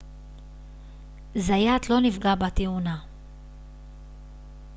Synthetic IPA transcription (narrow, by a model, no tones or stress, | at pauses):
zajat̪lo̞nifɡabat̪euna